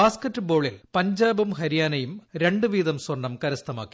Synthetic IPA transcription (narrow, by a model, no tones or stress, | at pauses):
aːskɐtːɨbo̞ːɭilpɐɲd͡ʑaːbɐmɦɐɾijaːnɐjumɾe̞ɳɖɨʋiːðɐmswɐɳːɐmkɐɾɐst̪ʰɐmaːkːi̥